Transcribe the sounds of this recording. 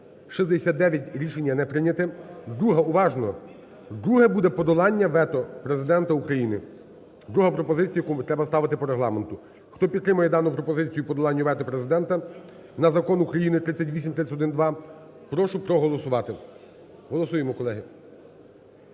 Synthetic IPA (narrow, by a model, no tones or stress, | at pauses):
ʃizd̪esʲat̪d̪ɛʋʲjɐtʲɾʲiʃenʲːɐnɛpɾɪnʲɐt̪ɪd̪ɾuɦɐuʋɑʒnɔ | d̪ɾuɦɛbud̪ɛpɔd̪ɔlˠɑnʲːɐʋɛt̪ɔpɾezɪd̪ɛnt̪ɐukɾɐjinɪ | d̪ɾuɦɐpɾɔpɔzɪt͡sʲijɐkut̪ɾɛbɐst̪ɑʋɪt̪ɪpɔɾeɦlˠɑ̰ment̪ʊ | xt̪ɔpʲid̪t̪ːɾɪmʊjɛd̪ɑnʊpɾɔpɔzɪt͡sʲijʊpɔd̪ɔlˠɑnʲːɐʋɛt̪ɔpɾezɪd̪ɛnt̪ɐ | nɐzɐkɔnukɾɐjinɪt̪ɾɪt͡sʲːɐtʲʋʲisʲimt̪ɾɪt͡sʲsʲɐtɔd̪ɪnd̪ʋɑ | pɾɔʃʊpɾɔɦɔlˠɔsʊʋɑt̪ɪ | ɦɔlˠɔsujemɔkɔlˠɛɦɪ